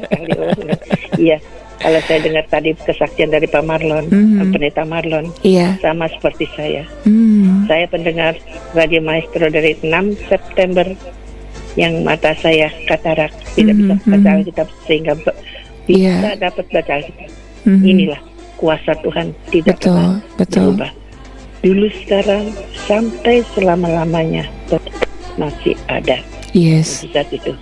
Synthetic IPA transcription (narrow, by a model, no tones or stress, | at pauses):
kalio | ija | ka̰lasajadəŋərt̪adikəsaksiandaɾipamarlɔnəpənet̪amarlɔnasamasə̥pərt̪isaja̰ | sajapəndəŋar | radiomaist̪ɾodaɾiənamsɛp̚t̪ɛmbər | jaŋmʔa̰t̪asajakat̪aɾak̚t̪idakbisaəbat͡ʃalkit̪asəhiŋɡab | b̥isadapət̪̚bat͡ʃalkit̪a | inilah | kuasat̪uɦant̪idaʔtp̪ʊallbəbt̪uba | d̥ulusə̥kaɾaŋsampajsəlamalamaɲa̰t̪ətmasḭha̰da | jɛsisat̪it̪u